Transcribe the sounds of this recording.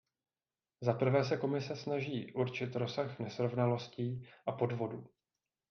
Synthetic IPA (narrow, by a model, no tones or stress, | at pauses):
zapr̩vɛːs̬ɛko̞mɪsɛsnaʒiːʔuɾt͡ʃɪt̪ɾo̞saxnɛsɾo̞vnalo̞sciːʔapo̞dvo̞duː